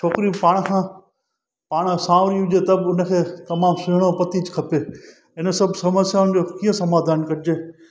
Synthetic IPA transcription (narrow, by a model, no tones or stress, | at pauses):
t͡ʃʰoːkɾijũpaːɽ̃kʰãː | paːɽ̃sãːʋɾiʊd͡ʑet̪ɐbʊnəkʰeːt̪ɐmaːmsɪɦɽ̃opɐt̪id͡ʑkʰɐpeː | ɪnəsɐbʱsɐməsjaːʊñd͡ʑoːkiːə̃sɐmaːd̪ʱaːɪnkɐɾɪd͡ʑeː